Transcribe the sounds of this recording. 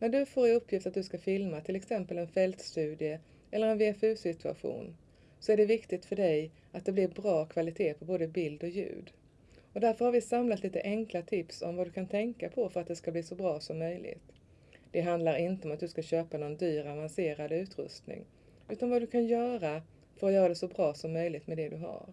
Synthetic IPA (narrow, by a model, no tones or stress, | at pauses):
næɖɵfoːɾɪɵpʰːjɪft̪at̪̚d̪ɵskafɪlmat̪ʰɪlɛksɛmpəlɛnfɛlt̪st̪ʉ̟ːd̪ɪə | ɛlːəɾɛnvɪafʉ̟ːsɪt̪ɵa̰ɧṵːn | sɔæɖɛvɪkt̪ɪɡ̚t̪fœɖɛj | at̪̚d̪ɛblɪɾbɾɑːkʰvalɪt̪ʰeːpʰɔboːd̪əbɪld̪ɔjʉ̟̰ːd̪ | ɔd̪æɾfœɾhaɾvɪsamlat̪liːt̪əʔɛŋklat̪ʰɪpsɔ̰mvad̪ɵkʰant̪ʰɛŋkapʰɔfœɾat̪̚d̪ɛskabliːsɔbɾɑːsɔmːœjlʔɪ̰ɡt̪ | d̪̥ɛɦand̪laɾɪnt̪əɔmat̪̚d̪ɵskaɕøːpanɔnd̪yːɾavanseːɾad̪ʉ̟ːt̪ɾɵ̰st̪nɪ̰ŋ | ʉ̟ːt̪anvad̪ɵkʰanjœːɾa | fœɾɔjœːɾad̪ɛsɔbɾɑːsɔmːœjlɪɡt̪mɛd̪ɛd̪ɵɦa̰ɾ